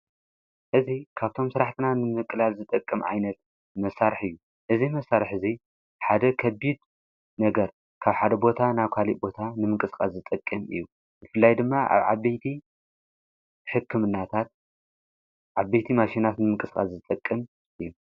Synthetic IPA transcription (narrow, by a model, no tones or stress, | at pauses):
ʔɨzikʰaβt̪ʰo̞msɨɾaħt̪ʰɨnanɨmɨkʼːɨlalzɨt̪ʼɐkʼːɨmʕa̰jnɐt̪̚ | mɐsːaɾħɨjːu | ʔɨzimɐsːaɾɨħɨzi | ħad̪ɐkʰɐbid̪ | nɐɡɐɾ | kʰaβħad̪ɐbo̞t̪ʰanajkʷʰaliʔbo̞t̪ʰanɨmɨŋkʼɨskʼasɨt̪ʼɐkʼːɨmɨ̰jːu | bɨfɨlːajd̪ɨmːaa̰βʕa̰bɐjt̪ʰi | ħɨkːɨmɨnːat̪ʰat̪̚ | ʕabːejt̪ʰimaʃinat̪nɨmɨŋkʼɨskʼa̰szɨt̪ʼɐkʼːɨm | ʔɨjːu